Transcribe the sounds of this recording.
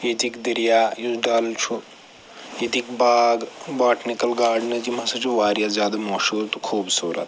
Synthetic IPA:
jet̪ikd̪ɐɾijajuɖaːlt͡ʃʰu | it̪ikbaːɡbaːʈnikɐlɡaːɖnɐd͡ʒimɐsɐt͡ʃʰuʋaːɾjazʲjaːd̪ɐmɐːʃuːɾt̪ukʰuːbsoːɾɐ̰t̪

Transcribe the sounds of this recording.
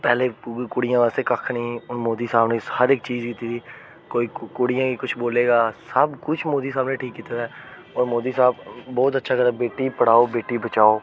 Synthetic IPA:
pɛːleːkʊɽijãːʋaːst̪eːkəkʰnĩːɔːɾmoːd̪iːsaːbnẽshəɾek̚t͡ʃiːzkɪt̪iːt̪ʰiː | koːiːkʊɽijãːkikʊt͡ʃʰboːleːɡaːsəbkʊt͡ʃʰmoːd̪iːsaːbnẽːʈʰiːkːɪt̪aɾɛː | ɔːɾmoːd̪iːsaːb̚ːɔːt̪̬ətːʃʰaːkəɾabeːʈipəɽ̤aːoːbeːʈiːbət͡ʃaːoː

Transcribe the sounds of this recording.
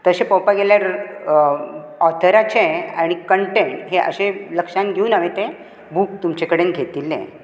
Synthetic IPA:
t̪əɕepɔwpaɡeljaɾ | ɔt̪ʰəɾat͡ɕea̰ɽ̃ikəɳʈeɳʈɦeʔə̰ɕeləkʂanɡʱeuːnaʋet̪ẽ | buk̚t̪umt͡ɕekəɽenɡʱet̪ilḛ̃

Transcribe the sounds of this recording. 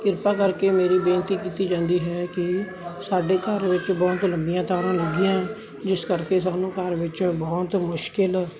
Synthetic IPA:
kɪɾpaːkəɾkeːmeːɾiːbẽːnt̪iːkiːt̪iːd͡ʒãːnd̪iːɦɛːkɪ | saːɖeːkəɾʋɪt͡ʃbɔːt̪ləmbɪjãːt̪ɔːɾãːləɡɪjãːɛ̃ː | d͡ʒɪskəɾkeːsaːnũːkəɾʋɪt͡ʃbɔːt̪mʊʃkɪl

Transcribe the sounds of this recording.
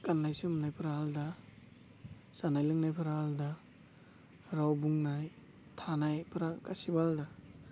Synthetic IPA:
kanːajsɯmnajpʰɾaalda | sanajlɯŋnajpʰɯɾaalda | ɾawbuŋnaj | tʰanajpʰɾakasibalda

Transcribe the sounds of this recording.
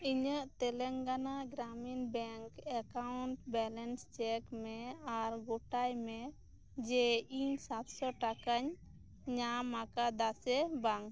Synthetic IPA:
iɲəʔt̪ɛlɛŋɡanaɡɾaminbɛŋkɛkauɳʈbɛlɛnst͡ʃɛkmɛaɾɡoʈajmɛ | d͡ʒɛiɲsat̪sɔʈakaɲ | ɲamakad̪asɛbaŋ

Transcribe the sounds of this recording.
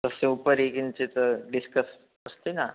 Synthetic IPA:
t̪əsẽupəɾekint͡set̪əɖiskəs | əst̪ina

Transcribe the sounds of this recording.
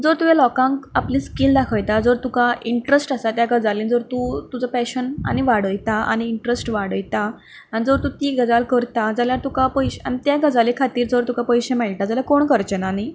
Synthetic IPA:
d͡zəɾt̪uʋjalɔkãŋkaplĩːskild̪akʰəjt̪ad͡zəɾt̪ukaʔiɳʈɾesʈasat̪jaɡad͡zaliːnd͡zəɾt̪ut̪ud͡zəpɛɕəna̰ñiʋaɽəjt̪aa̰ñiːɳʈɾəsʈʋaɽəjt̪a | añid͡zəɾt̪ũt̪iːɡəd͡zalkəɾt̪ad͡zaljaɾt̪ukapəjɕa̰ñit̪jaɡəd͡zalekʰat̪iːɾd͡zəɾt̪ukapəjɕemaɭt̪ad͡zaljakoɳkəɾt͡ɕenaːñi

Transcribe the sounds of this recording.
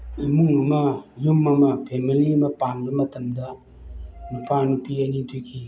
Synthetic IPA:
imuŋɐmɐjumːɐmɐpʰemiliɐmɐpanbɐmɐtɐmdɐ | nupʰanupiɐnitʰujkʰi

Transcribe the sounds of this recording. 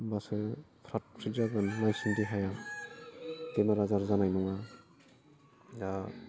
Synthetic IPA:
basɯpʰɾat̚pʰɾizaɡɯnːajsɯndiɦaja | tenaɾazaɾzanajnuŋa | ɡa

